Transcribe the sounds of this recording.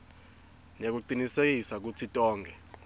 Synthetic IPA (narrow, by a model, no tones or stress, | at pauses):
nek̬uǃinisek̬isak̬utʰitʼɔːŋɡʱɛ